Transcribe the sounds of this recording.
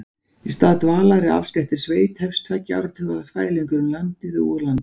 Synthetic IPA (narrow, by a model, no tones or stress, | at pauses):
ist̪aːðt̪vaːlaɾɪa̰fscɛht̪ɪɾ̥sveːjt̪hɛfst̪ʰvajcːa̰wɾat̪ʰʏːɣaðaθvaːjliŋkʏɾʏmlant̪ɪðʏulant̪